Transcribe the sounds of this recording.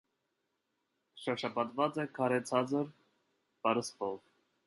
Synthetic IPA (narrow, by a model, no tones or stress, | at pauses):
ʃɑɾʃɑpɑt̪vɑt͡sɛkʰɑɾɛt͡sʰɑt͡səɾ | pɑɾəspɔv